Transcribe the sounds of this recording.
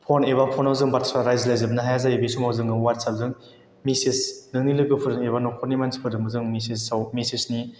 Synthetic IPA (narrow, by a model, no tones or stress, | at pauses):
pʰoneβapʰɔnawzɯŋbaɾtsaɾajzlajzɯbnaɦajazajibesumawzɯŋɡɯwaɾtsap̚zɯŋ | misisnɯŋnilɯɡɯpʰɯɾɯŋebanɔkʰɔɾnimansʰi̥pʰɯɾdɯmbɯzɯŋmisisawmisisni